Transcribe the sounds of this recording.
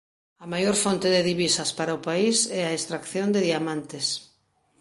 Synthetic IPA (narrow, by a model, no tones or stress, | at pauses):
ɐmajoɾfont̪eðeðiβisɐspaɾaʊpaisɛaest̪ɾakθjond̪eðiamãnt̪es